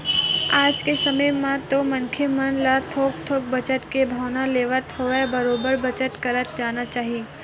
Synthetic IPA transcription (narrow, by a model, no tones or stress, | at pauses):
aːd͡ʒkesɐməmãt̪omɐ̃nkʰemənlat̪ʰoːk̚t̪ʰoːk̚bɐt͡ʃət̪kebʱaːnaleːʋət̪ɦoebɐɾoːbəɾbɐt͡ʃət̪kɐɾət̪d͡ʒaːnat͡ʃaːɦie